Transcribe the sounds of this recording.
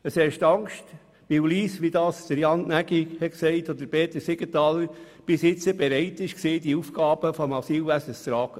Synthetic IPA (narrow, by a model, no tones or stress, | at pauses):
əshɛʃt̪ɑŋkʃt | ʋɪwliːsʋid̪ɑːsd̥əɾjɑnnæɡihɛtksɛɪtɔd̪əpeːt̪əsɪɡ̥ətɑːləɾ | b̥ɪsɪt͡səbɛɾɛɪtɪʃkseːdiufɡ̥ɑːb̥əfɔmɑsiːlʋæsəst̪ɾɑːɡ̥ə